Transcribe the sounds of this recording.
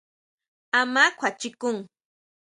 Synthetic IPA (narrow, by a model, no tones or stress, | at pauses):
amakʷʰat͡ʃɪkʊŋ